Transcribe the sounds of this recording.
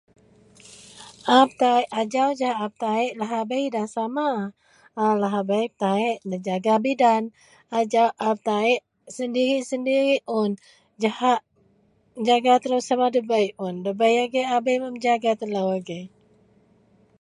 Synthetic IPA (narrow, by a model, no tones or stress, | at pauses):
ʔap̚t̪aiʔad͡ʒawd͡ʒaɦaʔap̚t̪aɛʔlaɦabəjdahsamaː | laɦabajp̚t̪aɛʔnəd͡ʒaɡabidan | ad͡ʒawʔap̚t̪aɛʔ | səndiɾisəndiɾiʔʔʊn | d͡ʒahaʔ | d͡ʒaɡat̪əlawsamadəbəjʊndəbəjaɡeʔabəjməmd͡ʒaɡat̪əlawaɡe